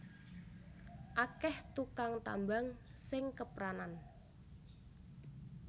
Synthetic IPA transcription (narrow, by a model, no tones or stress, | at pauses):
ʔakɛht̪ukaŋt̪a̰mbaŋsɪŋkəpɾanan